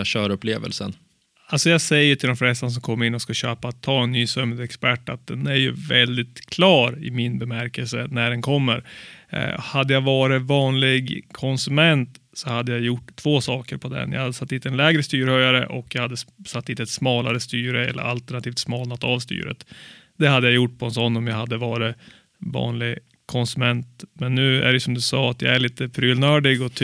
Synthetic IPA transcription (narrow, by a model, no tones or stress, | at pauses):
ɕœːɾɵpleːvə̰lsə̰n | alsɔjɑːsɛjːəʈ̪ʰɪld̪ɔmflɛst̪as̬ɔmkʰɔmːəɾɪnːɔskaɕøːpat̪ʰːɑːɛnːyːsɵmd̪ɛkspæʈːat̪̚d̪ɛnæɾjɵ̰vɛld̪ɪt̪kʰlɑːɾɪ̰mɪnbɛmæɾkəlsənæɖɛnkʰɔmːəɾ | had̪ːəjavɑːɾɪtvɑːnlɪɡkʰɔnsɵmɛnt̪sɔhad̪ːəjajʊʈːt̪ʰːv̥oːsɑːkəɾpʰɔd̪ɛ̰nja̰had̪ːəsat̪ːiːt̪ɛnlɛːɡɾəst̪yːɾhœjaɾə̰ʔɔkːjaɡhad̪ːəsat̪ːiːt̪ɛt̪smɑːlaɾəst̪yːɾəɛ̰lːə̰ɾa̰lt̪əɳat̪ʰiːft̪smɑːlnat̪ːavst̪y̰ːɾə̰t̪ | d̪̥ɛhad̪ːəjajʊʈːpʰɔɛnsɔɔnːɔmjahad̪ːəvɑːɾɪ | vɑ̰ːnlɪɡ | kʰɔnsɵmɛnt̪mɛnːʉ̟ːæ̰ɖɛjsɔmd̪ɵsɑːat̪ja̰æɭiːt̪əpʰɾyːlnœːɖɪɡɔt̪ʰ